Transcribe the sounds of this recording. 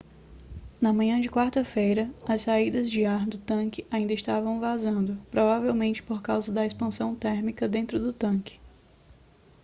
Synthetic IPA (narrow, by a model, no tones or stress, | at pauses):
nɐmɐ̃ɲɐ̃d͡ʒɪkwaɾt̪ɐfejɾɐɐssaid̪ɐzd͡ʒɪaɾd̪ʊt̪ɐ̃kɪaĩnd̪ɐɪst̪avɐ̃w̃vazɐ̃nd̪ʊpɾɔvavewmẽnt͡ʃɪ̥poɾkawzɐd̪ɐespɐ̃sɐ̃w̃t̪ɛɾmikɐd̪ẽnt̪ɾʊd̪ʊt̪ɐ̃kɪ̥